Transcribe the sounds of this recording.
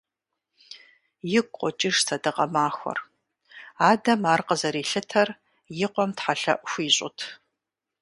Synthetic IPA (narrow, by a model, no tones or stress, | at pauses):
jɪkʷʼqʷʼɔt͡ʃʼɪʂsʰɐdɨqɐmaːxʷɔ̰r | aːdɐmaːrqəzɐɾiːɬɨtʰɐr | jɪqʷʼɔmtħaɬɐ̰ʔʷxʷiːɕʼʊ̰tʰ